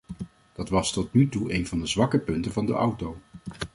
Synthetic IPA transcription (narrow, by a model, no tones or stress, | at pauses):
d̥ɑtʋɑstɔt̚nytuejnvɑndəzʋɑkəpɵntənvɑndə̰ʔʌwtow